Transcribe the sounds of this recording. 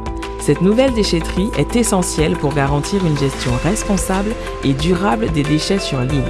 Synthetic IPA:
sɛt̪nuvɛld̪eʃet̪χiʔɛt̪esɑ̃sjɛlpuʁɡaʁɑ̃t̪ʰiʁynʒɛst̪jɔ̃ʁɛspɔ̃sabl | ed̪yʁabld̪ed̪eʃɛsyʁlib

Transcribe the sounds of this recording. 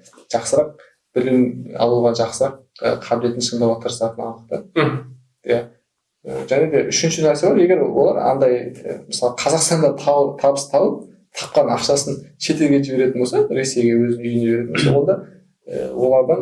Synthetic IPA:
ʒ̥ɑqsəɾɑq̚ | b̥ɪlɪmɑ̰lˠuʁɑʒɑqsəɾɑq̚ | ə̰qʰɑbɪle̞t̪ɪnʃənd̪ɑwɑt̪ʰəɾəsɑt̪ənɑlˠd̪əq̚t̪ə | ja | ə̰ʒæned̪e̞ʔʏʃɪnʃɪnæɾse̞bɑɾje̞ɡʲe̞ɾwo̞̰lˠɑɾɑ̰nd̪ɑjə̰məsɑlˠəqʰɑzɑqst̪ɑnd̪ɑt̪ʰt̪ʰɑbəst̪ʰɑbəp̚ | t̪ʰɑ̥p̚qɑnɑ̰qʃɑsənʃe̞t̪elɡʲe̞ʒɪβe̞ɾe̞t̪ɪnbo̞lsɑɾe̞se̞jɡʲe̞wɵzɪnʏjjəne̞be̞ɾeɪnboɑ̰wond̪ɑ | ə̰wo̞lˠɑɾd̪ən

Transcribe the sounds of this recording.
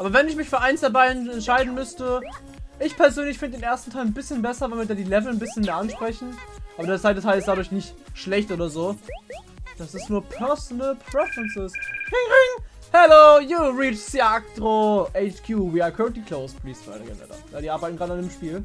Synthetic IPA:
ʔaːbɐvɛnɪçmɪçfyːɐʔaɪnsd̥aɐbaɪɛntʃaɪdn̩mʏstə | ʔɪçpʰɛɐzøːnlɪçfɪndədeːnʔeːɐstn̩tʰaɪlnbɪsçənbɛsɐvalvɪɐdaːdiːlɛvl̩nbɪsçənmeːɐʔanʃpʁ̥ɛçn̩ʔaːbɐdeːɐt͡sv̥aɪtətʰaɪlɪstd̥aːdʊɐçnɪçtʃlɛçtʔoːdɐzoː | d̥asɪstnuːɐpʰɛsnəlpʰʁ̥ɛfɹɛnsɪsʁɪŋʁɪŋ | hɛloːjuːʁiːt͡ʃsiaktʁoʔeɪt͡ʃkʰjuːviːakʰœʁəntliːkʰloʊspʰliːsv̥a̰ɪɾə̰ɡɛ̰nɛ̰da̰ja̰ːdiːʔaːɐbaɪtn̩ɡʁaːdəandeːmʃpiːl

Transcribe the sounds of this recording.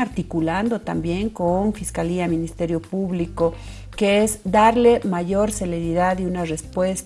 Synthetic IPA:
aɾt̪ikuland̪ot̪ambje̞ŋkoɱfiskaliamĩnist̪eɾjo̞puβliko | keezd̪aɾlemaʝoɾseleɾiðaðjunarespwes

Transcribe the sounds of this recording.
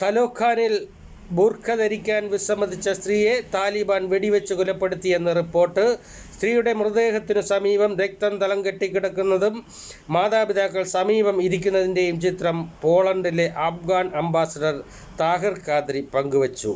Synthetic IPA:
t̪ɐlo̞ːkʰːaːnil | burkʰːɐðɐɾikʲːaːnʋisɐmbɐd̪ʱit͡ɕːɐst̪riːje̞t̪aːlibaːnʋeɽiʋɐt͡ɕːɨkulɐpːe̞ɽut̪ːije̞nːɐripːo̞ːrʈːɨ | st̪riːjuɽe̞murɐd̪e̞ːɦɐt̪ːinɨsɐmiːbɐmɾek̚t̪ɐmt̪ɐlɐŋɡɐʈːikʲːiɽɐkːunːɐðumː | aːðaːbid̪aːkːɐɭsɐmiːbɐmiɾikʲːunːɐðinde̞jumt͡ɕit̪rɐmpo̞ːɭɐɳɖile̞ʔɐfɡaːɳɐmbaːsɐɖɐr | t̪aːɦirkaːd̪ɾipɐŋɡuʋɐt͡ɕːṵ

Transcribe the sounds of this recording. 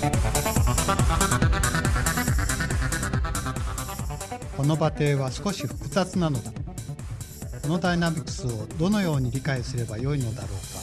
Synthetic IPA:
ko̞no̞bat̪e̞ːβasɨ̥ko̞ɕiɸɯ̟̥kɯ̟zat͡sɨnano̞d̪a | ko̞no̞d̪ainamʲikɯ̟̥sɨo̞d̪o̞no̞jo̞ːɲ̟iɾʲikaisɨɾe̞bajo̞ino̞d̪aɾo̞ːka

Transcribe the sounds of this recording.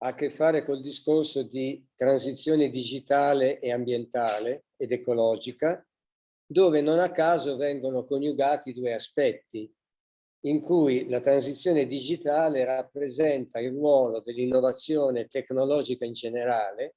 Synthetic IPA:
akːefːaːɾekold̪iskorsod̪it̪ɾansit̪sːjɔːned̪id͡ʒit̪aːleʔeambjent̪aːle | ed̪ekolɔːd͡ʒika | d̪oːvenonakːaːzovɛŋɡonokonjuɡaːt̪id̪uːeaspɛt̪ːi | iŋkujlat̪ɾanzit̪sːjɔːned̪id͡ʒit̪aːlerapːɾezɛnt̪ailrwɔːlod̪elːinːovat̪sːjɔːnet̪eknolɔːd͡ʒikaind͡ʒeneɾaːle

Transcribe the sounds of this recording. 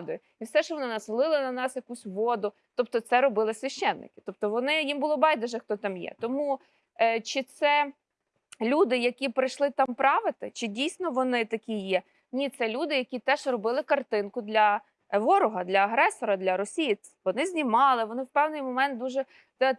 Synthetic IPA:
d̪ɔjʊ | iwsɛʃt͡ʃɔʋɔnɪnɐsɪlˠɪlˠɪnɐnɑsjɐkusʲʋɔd̪ʊ | t̪ɔp̚t̪ɔt̪sɛɾɔbɪlˠɪsʲʋʲɐʃt͡ʃːɛnːɪ̰kɪ̥t̪ɔp̚t̪ɔʋɔnɪjimbʊlˠɔbɑjd̪ɛʒɛxt̪ɔt̪ɑmjɛ̰t̪ɔmu | t͡ʃɪt̪sɛ | lʲud̪ɪjɐkʲipɾɪʃlˠɪt̪ɑmpɾɑʋɪt̪ɪt͡ʃɪdʲijsʲnɔʋɔnɪt̪ɐkʲijɛ | nʲit̪sɛlʲud̪ɪjɐkʲit̪ɛʒrɔbɪlˠɪkɐrt̪ɪnkʊd̪lʲɐ | ʋɔɾʊɦɐd̪lʲɐɐɦɾɛsɔɾɐd̪lʲɐɾɔsʲiji | ʋɔnɪzʲnʲimɑlˠɪʋɔnɪwpɛwnɪjmɔmɛnt̪̚d̪uʒɛ | t̪

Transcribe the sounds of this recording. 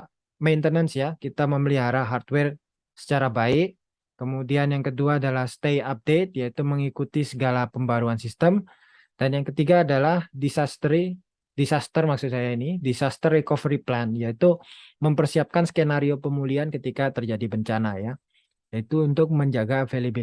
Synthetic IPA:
majnt̪ənənsjakit̪aməməliɦaɾaɦart̪wɛr | sə̥t͡ʃaɾabaɪʔ | kəmudianjaŋkəduaːdalahst̪ejap̚det̪̚jait̪uməŋikut̪isəɡalapəmbaɾuansist̪əm | d̥anjaŋkət̪iɡaːdalahdisast̪ɾi | disast̪ərmaksusajainidisast̪ərekofɾiplanjait̪uməmpərsiap̚kansə̥kenaɾiopəmuliankət̪ikat̪ərd͡ʒadibəɲt͡ʃanaja | jait̪uːnt̪ʊk̚məɲd͡ʒaɡavelebi

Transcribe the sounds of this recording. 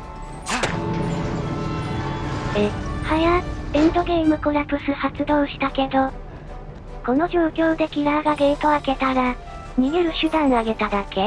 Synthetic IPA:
a | ehajaẽnd̪o̞ɡe̞imɯ̟ko̞ɾapɯ̟sɨhat͡sɨd̪o̞ːɕi̥t̪ake̞d̪o̞ | ko̞no̞ʑo̞ːkʲo̞ːd̪e̞kʲiɾaːɡaɡet̪o̞ake̞t̪aɾa | mʲiɡeɾɯ̟ɕɨd̪ãɰ̃aɡe̞t̪ad̪akʰe̞

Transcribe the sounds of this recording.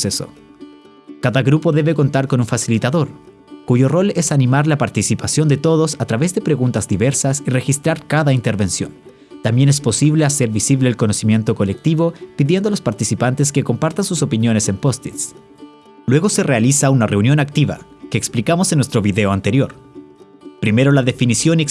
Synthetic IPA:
seso̰ | kaðaɣɾupo̞ðe̞βe̞ko̞nt̪aɾkonuɱfasilit̪aðo̞ɾ | kuʝo̞ro̞le̞sanimaɾlapaɾt̪isipasjo̞nd̪e̞t̪o̞ðo̞sat̪ɾaβe̞zðepɾe̞ɣunt̪azd̪iβe̞ɾsasire̞xist̪ɾaɾkaðaint̪e̞ɾβe̞nsjo̞̰n | t̪ambje̞ne̞spo̞siβlease̞ɾβisiβle̞ːlko̞nosimje̞nt̪o̞ko̞le̞k̚t̪iβo̞piðje̞nd̪oalospaɾt̪isipant̪es̬ke̞ko̞mpaɾt̪ansuso̞pinjo̞ne̞se̞mpo̞st̪it̪s | lwe̞ɣo̞se̞realisaunare̞unjo̞nak̚t̪iβa̰ | keːksplikamosenːwest̪ɾo̞βiðeoant̪e̞ɾjo̞ɾ | pɾime̞ɾo̞laðe̞finisjo̞nek

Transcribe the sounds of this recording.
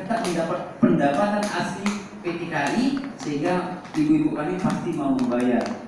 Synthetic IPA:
ət̪aʔ̚məndapat̪̚pəndapat̪anasi | pet̪ikaisəɦiŋɡalibuibukalipast̪imauməmbajar

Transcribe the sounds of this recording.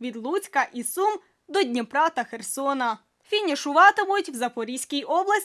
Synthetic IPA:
ʋʲid̪lˠut͡sʲkɐʔisum | d̪ɔdʲnʲipɾɑt̪ɐxersɔnɐ | fʲinʲiʃʊʋɑt̪ɪmʊjtʲwzɐpɔɾʲisʲkʲijʔɔblˠɐsʲ

